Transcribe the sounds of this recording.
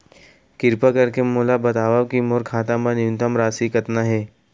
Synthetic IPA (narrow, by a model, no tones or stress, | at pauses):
kɪɾpakɐɾkemoːlabɐt̪aːʋaːʋkimoːɾkʰaːt̪ãmɐnjʊnt̪əmɾaːsikɐt̪naɦɛː